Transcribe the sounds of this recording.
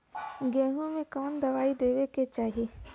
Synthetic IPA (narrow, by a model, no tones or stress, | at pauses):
ɡɛ̃ːɦõmẽkɔːnd̪ɐʋaːid̪eːweket͡ʃaːɦieː